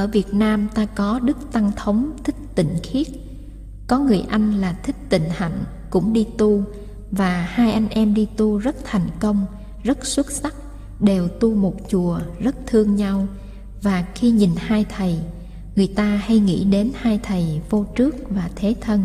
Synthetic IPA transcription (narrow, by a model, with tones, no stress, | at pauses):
ʔəː˧˩vi˨˩ət̚naː˧mt̪aː˧kɔ˨˦ɗɨ˦˥k̚t̪a˧ŋt̪ʰə˨˦wŋ͡mt̪ʰï˦˥k̟̚t̪ḭ̈˧˨ŋ̟xi˦˥ət̚ | kɔ˨˦ŋɨ˨˩əjʔa˧jŋ̟laː˨˩t̪ʰï˦˥k̚t̪ḭ˧˨ŋ̟ha̰˧˨jŋ̟ | kʊ̰˧˥ŋ͡mɗi˧t̪u˧ | vaː˨˩haː˧jʔa˧jŋ̟ʔɛ˧mɗi˧t̪u˧zə˦˥t̚t̪ʰɛ˨˩jŋ̟kə˧wŋ͡m | zə˦˥t̚swə˦˥t̚sa˦˥k̚ | ɗe˨˩wt̪u˧mo˨˩t̚t͡ɕu˨˩əzə˦˥t̚t̪ʰɨ˧əŋɲa˧w | vaː˨˩xi˧ɲi˨˩nhaː˧jt̪ʰə˨˩j | ŋɨ˨˩əjt̪aː˧ha˧jŋḭ˧˥ɗe˨˦nhaː˧jt̪ʰə˨˩jvo˧t͡ɕɨ˦˥ək̚vaː˨˩t̪ʰe˨˦t̪ʰə˧n